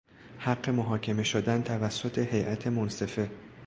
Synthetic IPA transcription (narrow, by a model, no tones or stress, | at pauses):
hæɢːe̞moɦɒːcʰe̞me̞ʃod̪ænt̪ʰævæsːo̞t̪ʰe̞he̞jʔæt̪ʰe̞monse̞fe̞